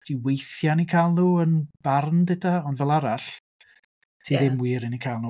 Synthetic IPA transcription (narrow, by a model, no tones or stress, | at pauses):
d̥iwejθjanikʰajlˠnuːənb̥arndɪtʰaɔnvɛlˠaɾaɬ | tʰiːðɪmwiːɾɪnikʰaːlˠnuː